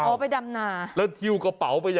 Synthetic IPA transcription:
ɔː˧˨˦pa˧jda˧mnaː˧˩lɛ˦˥t̪ʰi˧wka˧˩pa˩˦wpa˧jːaː˨

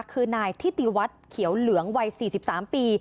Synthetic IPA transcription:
kʰɯː˧naː˧jt̪ʰiː˥˩t̪i˨˩wa˦˥t̪̚kʰi˨˩˦wlɯ˩˦əŋwa˧jsiː˨˩si˨˩p̚saː˩˦mpiː˧

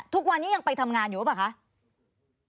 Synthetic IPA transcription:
t̪ʰu˦˥k̚wa˧nːiː˦˥ja˧ŋpa˧jt̪ʰa˧mŋaː˧njuː˨˩˦pa˨˩kʰa˦˥ʔ

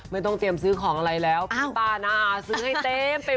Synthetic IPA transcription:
ma˥˩jt̪̬ɔ˥˩ŋt̪i˧əmsɯː˦˥kʰɔː˩˦ŋʔa˧ɾa˧jlɛː˦˥wpʰːp̪aː˧˩naː˧˩sɯː˦˥ha˥˩t̪eː˧mpa˧

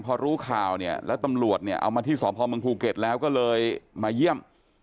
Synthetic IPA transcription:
npʰɔː˧ɾuː˦˥kʰaː˨˩wni˥˩ɐlɛ̰ː˦˥wt̪a˧mɾu˨˩ət̪̚ni˥˩ɐʔa̰˧wmaː˧t̪ʰiː˥˩sɔː˩˦pʰɔː˧mɯ˧əŋpʰuː˧ke˨˩t̪̚lɛː˦˥wkɔː˥˩lɤː˧jːaː˧ji˥˩əm

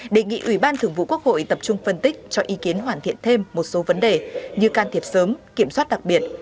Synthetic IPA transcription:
ɗe˨˩ŋḭ˧˨ʔwi˧˩ɓaː˧nt̪ʰɨ˧˩əŋvṵ˧˨ku˦˥ək̚ho̰˧˨jt̪ə˨˩p̚t͡ɕʊ˧ŋ͡mfə˧nt̪ï˦˥k̚t͡ɕɔ˧ʔi˨˦ki˨˦ənɦwaː˧˩nt̪ʰḭ˧˨ənt̪ʰe˧mːo˨˩t̚so˨˦və˨˦nɗe˨˩ɲɨ˧kaː˧nt̪ʰi˨˩əp̚səː˨˦mki˧˩əmswaː˦˥t̚ɗa˨˩k̚ɓi˨˩ət̚

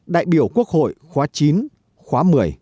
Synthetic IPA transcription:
ɗa̰ː˧˨jɓi˧˩əwku˦˥ək̚ho̰˧˨jxwaː˨˦t͡ɕi˨˦n | xwaː˨˦mɨ˨˩əj

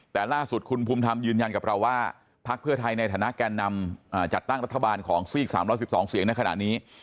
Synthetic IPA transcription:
t̪ɛː˨˩laː˥˩su˨˩t̪̚kʰu˧npʰuː˧mt̪ʰa˧mjɯː˧nja˧nka˨˩p̚ɾa˧wːaː˥˩ | pʰa˦˥k̚pʰɯ˥˩ɐt̪ʰa˧jna˧jt̪ʰaː˩˦na˦˥ʔkaː˧nːa˧mʔaː˨˩t͡ɕa˨˩t̪ːa˥˩ŋɾa˦˥t̪ʰːa˧aː˧nkʰɔː˩˦ŋsiː˥˩k̚saː˩˦mɾɔː˦˥jsi˨˩p̚sɔː˩˦ŋsi˨˩˦əŋna˧jkʰa˧na̰˨˩ʔniː˦˥

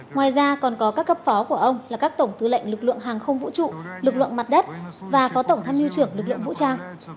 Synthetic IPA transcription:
ŋwaː˨˩jzaː˧kɔ˨˩nkɔ˨˦kaː˦˥k̚ːə˦˥p̚fɔ˨˦ku˧˩əʔə˧wŋ͡mlaː˨˩kaː˦˥k̚t̪ə˧˩wŋ͡mt̪ɨ˨˦lə̰˧˨jŋ̟lɨ˨˩k̚lɨ̰˧˨əŋɦaː˨˩ŋxə˧wŋ͡mvṵ˧˥t͡ɕṵ˧˨lɨ˨˩k̚lɨ̰˧˨əŋma˨˩t̚ɗə˦˥t̚vaː˨˩fɔ˨˦t̪ə˧˩wŋ͡mt̪ʰaː˧mʔi˧t͡ɕɨ˧˩əŋlɨ˨˩k̚lɨ̰˧˨əŋvṵ˧˥t͡ɕaː˧w

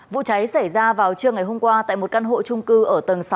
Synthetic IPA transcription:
vṵ˧˨t͡ɕa˨˦jsa˧˩jzaː˧vaː˨˩wt͡ɕɨ˧əŋa˨˩jɦo˧mŋ͡mkwaː˧t̪a̰ː˧˨jmo˨˩t̚ka˧nɦo̰˧˨t͡ɕʊ˧ŋ͡mkɨ˧ʔəː˧˩t̪ə˨˩nsa˨˦

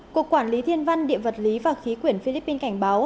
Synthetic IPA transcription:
ku˨˩əkːwaː˧˩nli˨˦t̪ʰi˧ənva˧jŋɗḭ˧˨əvə˨˩t̚li˨˦vaː˨˩xi˨˦kwi˧˩ənfi˧li˦˥pːi˧nka˧˩jŋ̟ɓaː˨˦w

